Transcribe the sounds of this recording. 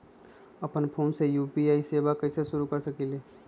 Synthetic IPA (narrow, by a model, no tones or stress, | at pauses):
əpənpʰoːnsejuːpiaːiseːbakɐɪseʃʊɾukəɾsəkileː